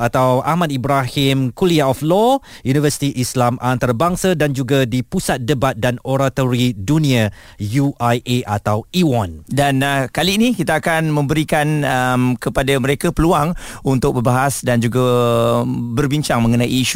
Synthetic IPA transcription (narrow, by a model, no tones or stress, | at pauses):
at̪awamãdibɾahɪmkuliaɔflɔ | junivəsi̥t̪iʔislamʔant̪aɾabaŋsadand͡ʒuɡadipusat̪̚dəbat̪̚danoɾat̪oɾidunĩa | juajʔeʔat̪awiwɔndankaliːnikit̪aːkanmə̃mbəɾikanəmkəpadaməɾekapəluaŋunt̪ʊk̚bəbaɦasdand͡ʒuɡa | bərbiɲt͡ʃaŋmə̃ŋənajːʃu